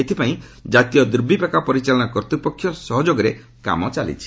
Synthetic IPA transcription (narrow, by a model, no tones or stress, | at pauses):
et̪ʰipaĩd͡ʒat̪ijɔd̪ɾbʱipakapɔɾit͡ʃalɔɽ̃ɔkɔɾt̪upɔkʰːjɔsɔɦɔd͡ʒoɡɔɾe | ka̰mɔt͡ʃalḭt͡ʃʰi̥